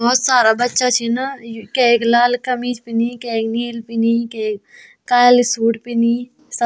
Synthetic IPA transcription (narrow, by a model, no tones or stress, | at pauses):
bɔːt̪saːɾabɐtːʃat͡ʃʰinakɛklaːlkɐmiːd͡ʒpinikɛkniːlpinikek | kaːlsuːʈpini | sɐ